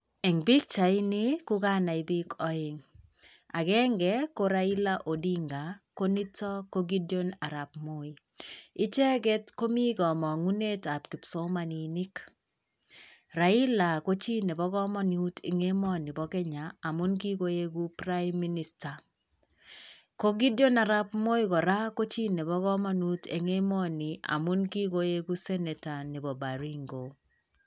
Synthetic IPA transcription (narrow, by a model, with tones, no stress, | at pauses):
ɛ˨ŋbi˦k̚t͡ʃa˨ɪ˦ni˦kʊ˦ka˦na˨ibi˦kʰɔ˦ɪ˨ŋ | a̰˨kɛ˦ŋɡɛ˦ko˦ɾa˦i˦la˦ʔo˨di˦ŋɡa˨ko˦ni˦tɔ˦ko˦ɡi˦djo˦na˨ɾa˨p̚mo˨˦i˨ | ɪ˦t͡ʃɛ˦kɛ˦tko˦mi˦kɔ˨mɔ˨ŋu˦ne˦ta˨p̚kɪ˨pso˦ma˨ni˨nɪ˦k | ra˨i˦la˨ko˦t͡ʃi˦ne˨bɔ˦kɔ˦mɔ˦n˨u˦tʰḛ˨ŋe˦mɔ˦ni˨bɔ˨kɛ˦ɲaː˨mu˦nki˦ko˦je˦ku˦pra˦mːi˦ni˨sta˨ | ko˦ɡi˦djo˦na˨ɾa˦pmo˦jikɔ˨ɾa˦ko˦t͡ʃi˦ne˨bɔ˦ɣɔ˦mɔ˦nu˦te˨ŋe˦mɔ˦ni˨a̰˨mu˦nki˦ko˦je˦ku˦sɛ˦ne˨ta˨ni˨bɔ˨ba˨ɾi˦ŋɡo˨